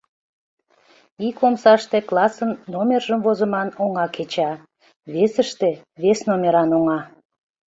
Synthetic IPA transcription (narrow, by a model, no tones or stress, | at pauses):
ikomsɑʃt̪eklˠɑsənːomʲerʒəmvozəmɑnoŋɑket͡ɕɑ | βesəʃt̪e | βesnomʲeɾɑnoŋɑ